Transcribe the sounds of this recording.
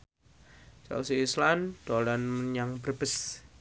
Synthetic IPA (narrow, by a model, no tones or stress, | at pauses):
t͡ʃa̰wsiːsland̪̥olanməɲaŋbərb̥əs